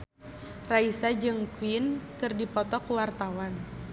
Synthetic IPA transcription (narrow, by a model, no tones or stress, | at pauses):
raisad͡ʒɨŋkwinkɨrdipɔt̪ɔkuwart̪awan